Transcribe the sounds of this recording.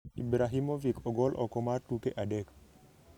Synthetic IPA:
ḭbɾaɦimovikʰɔɡɔlʔɔkɔmartukeʔadɛk

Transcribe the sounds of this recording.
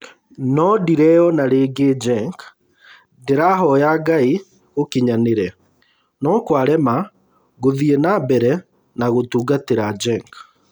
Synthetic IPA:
nɔdiɾɛjɔnaɾeːɡed͡ʒɛŋk | ndeɾaɦɔjaːɡai | okiɲaneɾɛ | nɔkwaɾɛma | ɣoðienabɛɾɛ | naɣotuːɡateɾad͡ʒɛŋk

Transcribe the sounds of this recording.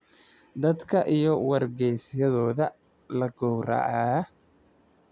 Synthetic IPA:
d̪ɐd̪kʰɐʔijɔwɐrɡɛjsjɐðɔːðɐ | lɐɡɔwra̰ːʕaː

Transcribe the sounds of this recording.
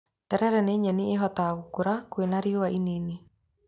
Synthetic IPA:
tɛɾɛɾɛneːɲɛnieɦɔtaɣukoɾakwenaɾiowaʔinini

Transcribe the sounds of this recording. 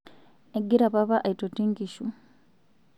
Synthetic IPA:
eɡiɾaβaβaʔaitotiŋkiʃu

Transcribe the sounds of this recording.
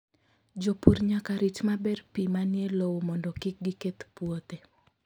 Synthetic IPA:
d͡ʒopuɾɲakaɾɪt͡ʃmabɛrpimanjelowomɔndɔkɪk̚ɡiket̪pwot̪e

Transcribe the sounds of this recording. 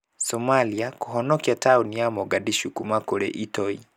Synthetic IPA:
sɔmaliakuɦɔnɔkjataunijamɔɡadiʃukumakoɾɛ̰ʔitɔi

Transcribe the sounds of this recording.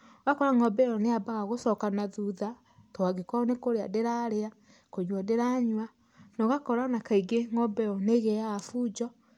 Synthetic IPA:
oɣakɔɾaŋɔbɛɾɔneabaɣaɣosɔkanaðuða | toaɣekɔnekoɾea̰deɾaɾea | koɲwadeɾaɲwa | nɔɣakɔɾanakaiɡeŋɔbɛɔneɣɛaːfud͡ʒɔ

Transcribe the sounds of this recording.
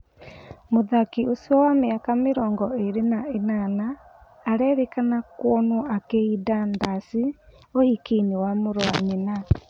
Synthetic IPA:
moðakiosiɔwameakameɾɔːŋɡɔeɾenaenanaː | ɾɛɾekanakwɔnɔakeidandasi | ohikeinewamoɾwaɲena

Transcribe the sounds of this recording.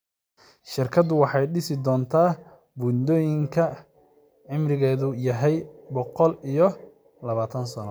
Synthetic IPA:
ʃɪrkʰɐd̪ʊwɑħɑjɖɪsɪd̪ɔːnt̪ʰaː | bund̪ɔːjɪŋkʰɐ | ʕɪmrɪɣɛːðʊjɐɦɛjbɔqɔlijɔ | lɐβaːt̪ʰɐnsɐnɔ̰

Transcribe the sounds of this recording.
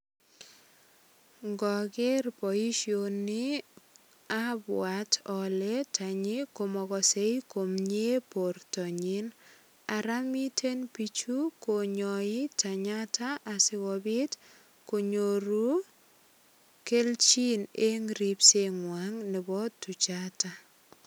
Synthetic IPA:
ŋɡɔkerpɔiʃjonɪ | abwatʰɔlɛtʰaɲɪkomɔɣɔsejkomɲeportɔɲin | aɾamitʰenpit͡ʃukoɲɔɪtʰaɲatʰaʔːsɪɣɔbɪt | koɲoɾu | kelt͡ʃineŋɾipseŋwaŋnɪbɔtːut͡ʃata

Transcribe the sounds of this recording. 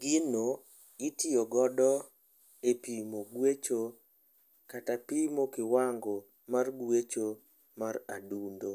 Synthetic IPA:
ɡ̥ɪno | ɪtɪɔɡɔdɔ | epimoɡwet͡ʃo | katapimokɪwaŋɡo | marɡwet͡ʃo | mara̰dundo

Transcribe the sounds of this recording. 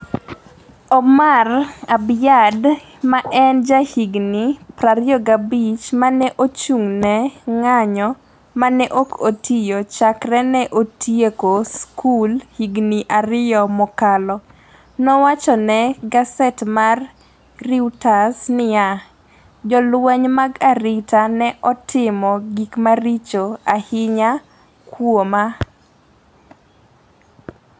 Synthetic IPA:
ɔmarabjad | maʔɛnd͡ʒahiɡnipɾaɾjɔɡabit͡ʃmanɛʔot͡ʃuŋnɛŋaɲɔ | manɛʔokotʰijot͡ʃakɾɛnɛʔotjekoskʰulhiɡniʔaɾɪjɔmɔkalɔ | nɔwat͡ʃɔnɛɡasɛtmarː | iwtasnɪja | d͡ʒɔlwɛɲmaɡaɾɪtanɛʔɔtʰɪmɔɡikmaɾit͡ʃoahɪɲa | kwoma

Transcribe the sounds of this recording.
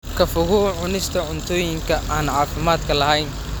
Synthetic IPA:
kʰɐfʊɣʊʕʊnɪst̪ʰɐʕʊnt̪ʰɔːjɪŋkʰɐʔaːnʕaːfɪmaːd̪kʰɐlɐɦɛjn

